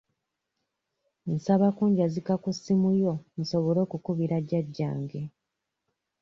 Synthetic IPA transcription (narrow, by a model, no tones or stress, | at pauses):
n̩saβakuːɲɟazikakusːimujo̞nusoβolo̞ːkukuβiɾaɟːaɟːa̰ːŋɡe̞